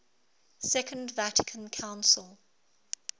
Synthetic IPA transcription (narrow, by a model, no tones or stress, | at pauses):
sɛkʰə̃ndvatʰɪ̥kʰə̃nkʰãʊ̃nsəlˠ